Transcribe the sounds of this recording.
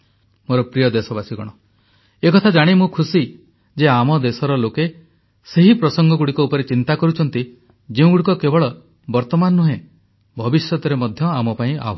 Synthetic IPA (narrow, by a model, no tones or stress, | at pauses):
moɾɔpɾijɔd̪esɔbasiɡɔ̰ɽ̃ɔ | ekɔt̪ʰad͡ʒaɽ̃imũkʰusi | d͡ʒeamɔd̪esɔɾɔloke | seɦipɾɔsɔŋɡɔɡuɽikɔupɔɾet͡ʃint̪akɔɾut͡ʃʰɔnt̪i | d͡ʒeũɡuɽikɔkebɔɭɔ | bɔɾt̪ɔmanːuɦẽ | bʱɔbisjɔt̪ɔɾemɔd̪ʱjɔamɔpaĩa̰ɦ